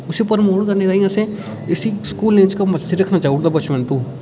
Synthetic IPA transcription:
ʊsipəɾmoːʈkɐɾneɾaːijãse | ɪsiskuːlẽːt͡ʃkamɐsiɾɐkʰnat͡ʃaːɦuʈd̪abɐt͡ʃmə̃nt̪uː

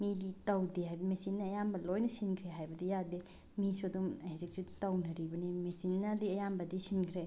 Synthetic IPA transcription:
miditɐwdiɦajbmesinːɐːjambɐlojnɐsinkʰɾeɦajbɐdijadi | misuɐdumeezik̚sʰutɐwnɐɾibɐnimesinːadiɐjambɐdisinkʰɾe

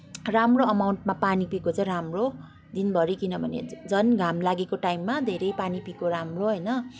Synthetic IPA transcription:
ramroʌmawɳʈmapanipikot͡sʌ̃ɾamro | d̪inbʱʌɾikinʌbʱʌnḛd͡zʌnɡʱamlaɡekoʈajmːad̪ʱeɾʌjpanipikoɾamroɦʌjnʌ

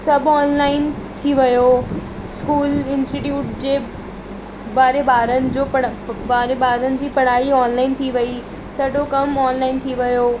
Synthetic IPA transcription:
sɐbɔːnlaːɪnt̪ʰiʋɐjo | skuːlɪ̃nsʈɪʈjuːʈd͡ʑeː | baːɾebaːɾənɪ̆d͡ʑoːpɐbaːɾebaːɾənɪ̆d͡ʑiːpɐɽ̤̃aːiɔːnlaːɪnt̪ʰiʋɐi | sɐɗokɐmɔːnlaːɪnt̪ʰiʋɐjoː

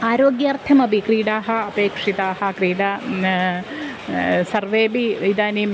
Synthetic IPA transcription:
aːɾoːɡjaːrt̪ʰɐmɐbʱikɾiːɽaːɦɐɐpeːkʂit̪aːɦɐkɾiːɽɐ | sɐrʋeːbiid̪aːnim

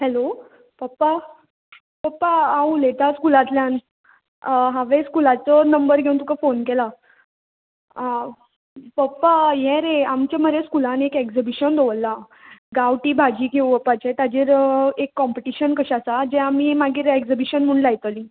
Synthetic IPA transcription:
hɛlo | pəpːa | pəpːaaũlet̪askulat̪ljãn | ɦaʋeskulat͡sɔnəmbəɾɡʱeũnt̪ukafonkela | pəpːajɛ̃ɾeamt͡ɕaməɾeskulãnekeksəbiɕənd̪oəlːã | ɡawʈiːbʱad͡ʑiːɡʱeũbəpːat͡ɕet̪ad͡ʑeɾekːɔmpeʈiɕənkəɕasad͡ʑɛ̃amiːmaɡiːɾeksəbiɕənm̤əɳlajt̪əli

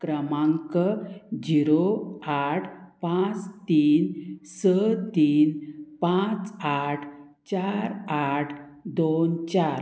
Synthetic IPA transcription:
kɾəmãŋkəd͡ʑiɾoaʈʰpãt͡st̪iːnsət̪iːnpãt͡saʈʰ | t͡ɕaɾaʈʰd̪ont͡ɕaɾ

